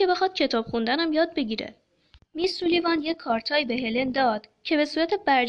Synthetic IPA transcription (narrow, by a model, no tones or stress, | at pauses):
e̞be̞xɒd̪̥cʰe̞t̪ʰɒːb̥xund̪ænæmjɒːd̪̚be̞ɟiːɾḛ | misɾulivɒːnje̞ckʰːɒːɾt̪ʰɒːibe̞ɦelend̪ɒːd̪̥cʰe̞be̞suːɾæt̪ʰe̞bæɾd͡ʒ